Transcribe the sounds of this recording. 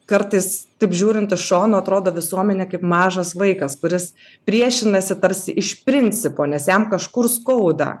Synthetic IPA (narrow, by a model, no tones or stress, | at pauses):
kɐɾt̪ɐɪst̪ɐɪpʒʲuːɾʲɪnt̪ɪʃʃoːnoːɐt̪ɾoːd̪oːʋʲɪsuɔmʲɛnʲɛkɐɪpmɑːʒɐsʋɐɪkɐskʊɾʲɪs | pʲɾʲiɛʃʲɪnɐsʲɪt̪ɐɾʲsʲɪʔɪʃpʲɾʲɪnʲt͡s̪ʲɪpoːnʲɛsjæmkɐʃkʊrskɐʊd̪ɐ̰